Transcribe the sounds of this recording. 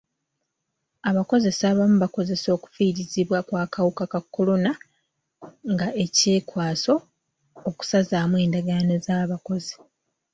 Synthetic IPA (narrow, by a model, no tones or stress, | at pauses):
aβako̞ze̞saβamuβako̞ze̞so̞ːku̥fiɾiziβwakwaːkawukakakːo̞lo̞na | ŋɡaʔe̞ce̞ːkwaːso̞ː | ku̥sazaːmwe̞ːndaɡanozaːβako̞zi̥